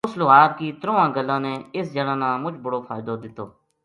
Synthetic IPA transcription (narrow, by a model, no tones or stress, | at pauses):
ʊslʊɦaːd̪kiːt̪ɾõːãːɡəlːãːneːɪsd͡ʒəɽãːnãːmʊt͡ʃbəɽoːpʰaːɪd̪oːd̪ɪt̪ːoː